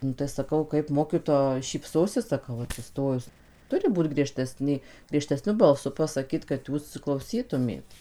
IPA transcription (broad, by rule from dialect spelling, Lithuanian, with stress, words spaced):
nʊ tɐɪ sɐˈkɐʊ kɐɪp ˈmoːkʲɪtoːjɛ ʃʲiːpˈsoːsʲɪs sɐˈkɐʊ ɐtʲsʲɪˈstoːjʊs ˈtʊrʲɪ ˈbuːt ɡrʲiɛˈʃʲtʲæːsʲnʲeː ɡrʲiɛʃʲtʲɛˈsʲnʲʊ bɐlˠˈsʊ pɐsɐˈkʲiːt kɐt ˈjuːs klˠɐʊˈsʲiːtʊmʲeːt